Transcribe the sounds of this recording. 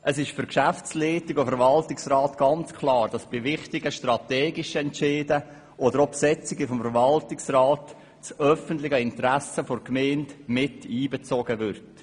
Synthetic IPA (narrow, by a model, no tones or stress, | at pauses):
ʔəsɪʃfʏɾkʃæft͡slɛːtɪɡofəɾvɑltɪksrɑːtɡ̥ɑnt͡skʰlɑːɾd̥ɑsb̥ɪvɪχtɪɡəʃtrɑtɛːɡɪʃəɛnt͡ʃɪːdə | ʔodəɾɔpsɛt͡sɪɡəfɔmfəɾvɑltɪksraːt | t͡sœfəntlɪɡəɪntɾæsəforkmɛːntmɪtiːbɛt͡soɡəvʏrt